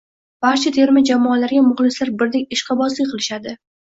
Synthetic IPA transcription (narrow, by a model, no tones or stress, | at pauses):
b̥aɾt͡ʃʰat̪ʰe̞ɾmɪd͡ʒamɒːalaɾɡʲamʊχlˠɪslaɾbɪɾd̪ekʲɪʃqʰɑbɒzlɪqʰɨlˠɪʃad̪ɪ